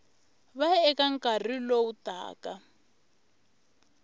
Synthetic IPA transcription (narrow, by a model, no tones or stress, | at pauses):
βaɛɛkaŋ̩karilouta̰ːka